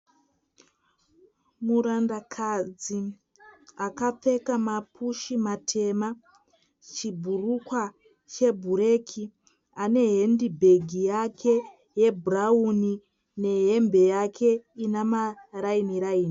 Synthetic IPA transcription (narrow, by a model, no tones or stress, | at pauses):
muɾandakʰad͡zi | akap͡fe̞kamapʰuʃimatʰe̞ma | t͡ʃibʱurukwa | t͡ʃe̞bʱuɾe̞kʰi | ane̞ɦendibʱe̞ɡʱijakʰe̞ | je̞bʱurauni | ne̞ɦe̞mbe̞jakʰe̞inamarainiɾaiːni